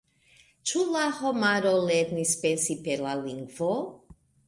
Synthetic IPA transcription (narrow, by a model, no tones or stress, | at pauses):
t͡ʃulahomaɾoleɾnispensipeɾlaliŋɡvo